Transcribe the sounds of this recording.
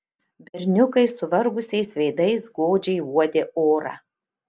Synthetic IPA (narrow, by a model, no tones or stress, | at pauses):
bʲɛɾʲnʲʊkɐɪsʊʋɐɾɡʊsʲɛɪsʋʲɛɪd̪ɐɪsɡoːd͡ʒʲɛɪuɔd̪ʲeːoːɾɑ̰ː